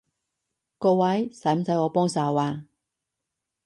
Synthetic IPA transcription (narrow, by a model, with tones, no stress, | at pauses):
kɔː˧wɐ˨˥jsɐ˨˥jm̩˦sɐ˨˥jɔː˨˧pɔː˥ŋsaː˨˩wwaː˨˧